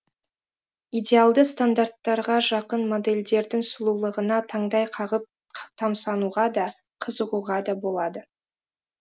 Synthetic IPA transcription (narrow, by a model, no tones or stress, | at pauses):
ijdʲe̞alˠd̪əst̪and̪art̪ːɑɾʁɑʒɑqənmo̞d̪e̞lʲd̪e̞ɾd̪ɪŋsʊlˠulˠəʁənɑt̪ʰɑɴd̪ɑjqʰɑʁəp̚ʰ | t̪ʰɑmsɑnuʁɑd̪ɑ | qʰəzəʁuʁɑd̪ɑbo̞lˠɑd̪ə